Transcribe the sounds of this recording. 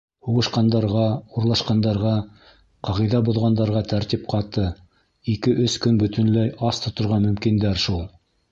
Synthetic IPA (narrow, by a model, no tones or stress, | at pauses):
huʁɤ̆ʃqɑnd̪ɑɾʁɑuɾlˠɑʃqɑnd̪ɑɾʁɑ | qɑʁɤ̆jðæbŏðʁɑnd̪ɑɾʁɑt̪æɾt̪ip̚qʰɑt̪ɤ | ikɘʔɵskɵnbɵ̆t̪ɵ̆nlæjɑst̪ŏt̪ŏɾʁɑmɵ̆mkind̪æɾʃulˠ